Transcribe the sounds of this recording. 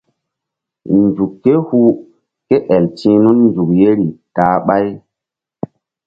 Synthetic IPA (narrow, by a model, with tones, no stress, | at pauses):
nd͡ʒu˨kːe˦hu˦ | ke˦ʔɛ˨ltĩ˦nu˦nnd͡ʒu˨k̚je˦ɾi˨taː˨ɓa˦j